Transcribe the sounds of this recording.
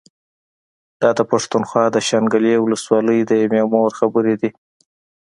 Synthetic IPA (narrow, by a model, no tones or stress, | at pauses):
d̪̥ɑd̪əpaʂt̪unxwɑd̪əʃaŋɡəlewʊləswɑləjd̪əjememoɾxabəɾed̪i